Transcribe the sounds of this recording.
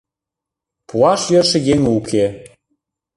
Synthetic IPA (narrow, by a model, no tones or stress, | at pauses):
puɑʃjɤʃə̆jeŋukʰe